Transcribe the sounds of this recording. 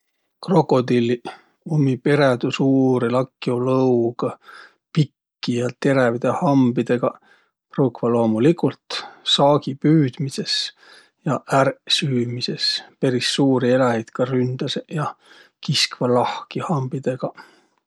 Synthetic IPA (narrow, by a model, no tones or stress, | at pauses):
kro̞kːˑo̞d̪ilːi | umːipe̞ɾed̪usuːɾilɑkːˑiolɤwɡ̥ɑ | pikːijɑt̪e̞ɾɛvid̪̥ehɑmbid̪̥e̞ɡ̥ɑ | prukvɑlo̞ːmulikult̪sɑːɡ̥ipyːd̪̥mise̞s | jɑʔærsyːmise̞spe̞ɾisːuːɾie̞lɑhit̪kɑrynd̪̥ɑsejɑ | kiskvɑlɑhkihɑmbid̪̥e̞ɡ̥ɑ